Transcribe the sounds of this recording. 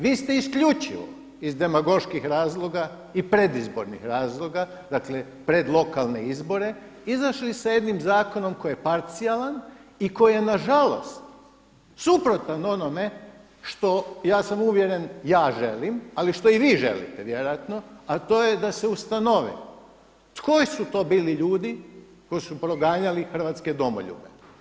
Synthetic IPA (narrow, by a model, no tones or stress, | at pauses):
ʋiːst̪e̞iskʎut͡ʃiʋo̰ | izd̪e̞maɡo̞ʃkixɾaːzlˠo̞ɡa | ipɾe̞d̪izbo̞̰ɾnḭxɾaːzlˠo̞ɡa | d̪akle | pɾe̞d̪lˠo̞kalˠne̞̰izbo̞ɾe̞izaʃlisaje̞d̪nimzaːkono̞mko̞jijepaɾt̪sialˠaniko̞jije̞naʒalo̞̰st̪ | supɾo̞t̪ano̞no̞me̞ | ʃt̪o̞jaːsamuʋje̞ɾe̞njaːʒelimaliʃt̪o̞iʋiːʒe̞̰lḭt̪eʋje̞ɾojat̪no̞at̪o̞ːje̞d̪ase̞ust̪ano̞ʋḭ | t̪ko̞jsut̪o̞ːbiːliʎuːd̪i | ko̞jsupɾo̞ɡaːɲalixr̩ʋaːt̪ske̞d̪o̞mo̰ʎṵːbḛ